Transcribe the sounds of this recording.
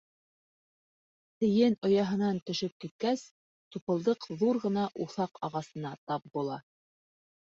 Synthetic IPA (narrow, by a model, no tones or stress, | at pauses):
t̪ɘ̆jɘnŏjɑɦɤ̆nɑnt̪ɵ̆ʃɘp̚kit̪̚kæs | t̪upɤ̆lˠd̪ɤqðuɾʁɤ̆nɑʔuθɑqɑʁɑsɤ̆nɑt̪ɑp̚bulˠɑ